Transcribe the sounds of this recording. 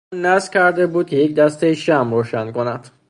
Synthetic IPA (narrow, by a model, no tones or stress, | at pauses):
nnæzcʰæɾd̪e̞buːd̪̚kʰʲejecd̪æst̪ejʃæmɾoːʃænkʰonæd̪̥